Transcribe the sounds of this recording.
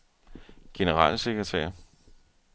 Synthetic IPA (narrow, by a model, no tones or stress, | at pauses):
ɡ̥e̝nəʁɑ̰̈ːlse̝ɡ̥ʁɐt͡sʰɛ̰ːɐ